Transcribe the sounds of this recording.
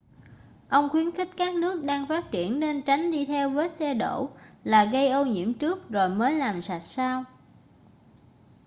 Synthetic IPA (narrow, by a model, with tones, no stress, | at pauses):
ʔə˧wŋ͡mxwi˨˦ənxï˦˥k̟̚kaː˦˥k̚nɨ˦˥ək̚ɗaː˧ŋfaː˦˥t̚t͡ɕḭ˧˨ənːe˧nt͡ɕa˨˦ŋ̟ɗi˧t̪ʰɛ˧wvəː˨˦jsɛ˧ɗo̰˧˩laː˨˩ɣə˧jʔə˧wɲḭ˧˥əmt͡ɕɨ˦˥ək̚zo˨˩jməː˨˦jlaː˨˩msa˨˩t̚saː˧w